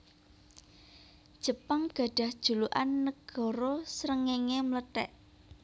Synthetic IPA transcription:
d̥ʒ̥ə̤paŋɡ̥a̤ɖ̥a̤hd̥ʒ̥ṳluʔanːəɡ̥ɔ̤ɾosɾəŋɛŋemlət̪ɛ̰ʔ

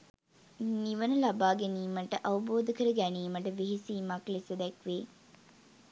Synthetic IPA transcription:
niʋənəlabaːɡeniːməʈəʔɐʋuboːd̪əkəɾəɡæniːməʈəʋeɦisiːmaklisəd̪ɛkʋeː

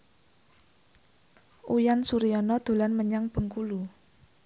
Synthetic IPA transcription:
ʔujansuɾiɔnɔd̪̥o̤lanməɲaŋb̥əŋkulu

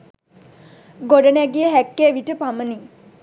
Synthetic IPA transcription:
ɡoɖənæɡijəɦækːeʋiʈəpaməni

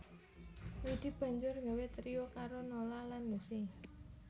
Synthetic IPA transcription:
wid̪̥i̤b̥a̤ɲd͡ʒʊrɡawet̪ɾiokaɾonolalanːuse

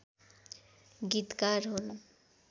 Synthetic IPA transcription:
ɡit̪kaɾɦono

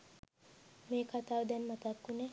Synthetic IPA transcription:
meːkʰat̪aːʋəd̪ɛnmat̪akːune

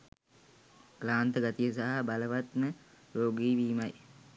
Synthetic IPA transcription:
klaːnt̪əɡat̪ijəsaɦabaləʋat̪mə | ɾoːɡiːʋiːmaj

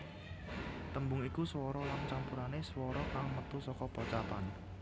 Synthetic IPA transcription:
t̪əmbʊŋikuswɔɾɔlant͡ʃampuɾaneswɔɾɔkaŋmət̪usɔkɔpɔt͡ʃapan

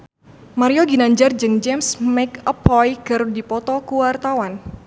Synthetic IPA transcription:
maɾioɡinaɲd͡ʒard͡ʒɨŋd͡ʒɛmsmɛkəpʰɔjkərdipɔt̪ɔkuwart̪awan

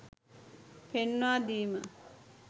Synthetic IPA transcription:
penːaːd̪iːmə

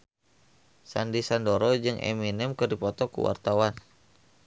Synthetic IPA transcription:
sandisandɔɾɔd͡ʒɨŋʔɛ̰minɛmkərdipɔt̪ɔkṵwa̰rt̪awan

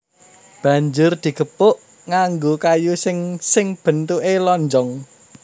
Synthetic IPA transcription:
b̥a̤ɲd͡ʒʊrd̪̥i̤ɡ̥əpʊʔ | ŋaŋɡokajusɪŋsɪŋb̥ə̤nt̪uʔelɔɲd͡ʒɔŋ

